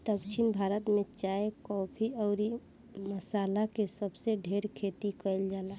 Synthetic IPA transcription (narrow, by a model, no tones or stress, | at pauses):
t̪əkʃʰinbʱaːɾət̪met͡ʃaekɔbʰiɔːɾi | məsaːlakesəbseɖʱeɾkʰet̪ikəjld͡ʒaːla